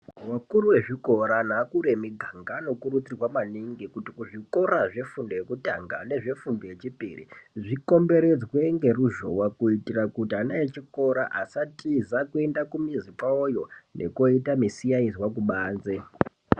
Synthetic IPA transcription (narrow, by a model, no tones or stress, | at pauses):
wakuruwe̞ʐiko̞ɾanaːkuɾemiɡʱaŋɡano̞kurut͡sirwamaniŋɡikutikuʐiko̞ɾaʐe̞fundojekuta̰ŋɡa̰ne̞ʐe̞fumbojet͡ʃipḭrḭʐiko̞mbe̞ɾe̞d͡zwe̞ŋɡe̞ruʒo̰wakuitirakutianajet͡ʃiko̞ɾa̰ʔasatʰizakue̞ndakumizipaojo̞nʔe̞̰koitamisijaiziwak̬uɓaːnze